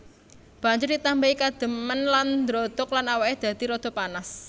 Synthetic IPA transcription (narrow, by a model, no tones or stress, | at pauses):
b̥ä̤ɲd͡ʒʊrd̪it̪ambaikad̪̥ə̤mənland̪ɾɔd̪̥ɔklanawaed̪̥ä̤d̪̥iɾɔd̪̥ɔ̤panas